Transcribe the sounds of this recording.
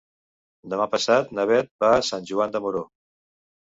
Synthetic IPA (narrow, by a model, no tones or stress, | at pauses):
d̪əmapəsat̪nəβ̞ɛt̪̚basanʲʒuand̪əmuɾo